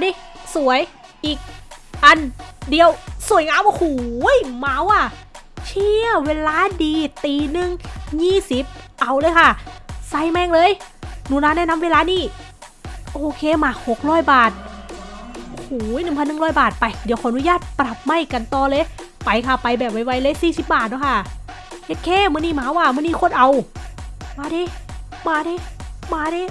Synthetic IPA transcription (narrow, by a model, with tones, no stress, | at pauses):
diː˧˥su˨˩˦əj | ʔiː˨˩k̚ʔa˧ndi˧əwsu˨˩˦jŋaː˧˥˨whuː˨˩˦jma˧˥wʔa˧˩t͡ɕʰi˧˩əweː˧˥laː˧˥diː˧t̪iː˧nɯ˧ŋjiː˧˥˩si˨˦p̚ʔa˧wlɤː˧˦jkʰa˧˥˩sa˧˩jmɛ˧˩ŋlɤː˧˥˨jnuː˧˩˨naː˧˥˨nɛː˧˥˨na˧˥mweː˧laː˧˥niː˥˩ | ʔoː˧˩kʰeː˧˨maː˧˩ho˨˩k̚ɾɔː˧˥˩jbaː˨˩t̪̚ʔʔo˧˩˧hoː˨˩˦jnɯ˨˩ŋpʰa˧nːɯ˨˩ŋlɔː˧˥˩jbaː˨˩t̪̚pa˧jdi˨˦wkʰɔː˧˨a˨nu˧jaː˧˩t̪̚pɾa˨˩p̚ma˧˩˨jka˧˨nt̪ɔː˧lɤː˧˥j | pa˨˧jkʰa˧˩pa˧˨jbɛː˨˩p̚wa˧˥jwa˧˥jlɤː˧˥˨jsiː˧˩si˨˦p̚baː˨˩t̪̚nɔː˧˥˦kʰa˧˩ | he˧t̪̚kʰɛː˧˥˨mɯ˧˨niː˧˥˩maː˧˦waː˧˩mɯː˧˨niː˧˥˩kʰo˧˥˨nʔa˨˧w | maː˧˥di˧˥˦ | maː˧da˧˦maː˧˥deː˧˦